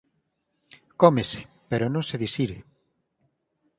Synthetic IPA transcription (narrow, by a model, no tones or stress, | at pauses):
kɔmese̥ | peɾonõŋseðisiɾe